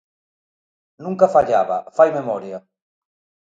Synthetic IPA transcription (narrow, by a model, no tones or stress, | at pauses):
nũŋkafaʎaβa̰fajmemɔɾja